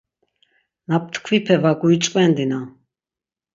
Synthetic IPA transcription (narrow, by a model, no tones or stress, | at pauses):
nap̚t̪ʰkʰvipʰɛvaɡuit͡ʃʼkʼɛnd̪ina